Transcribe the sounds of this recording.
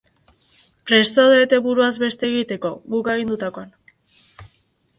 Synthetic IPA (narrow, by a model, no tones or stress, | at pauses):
pɾe̞st̪aðet̪e̞βuɾuazbe̞st̪e̞ːɣit̪e̞ko̞ɣuke̞ɣ̞ind̪ut̪ako̞an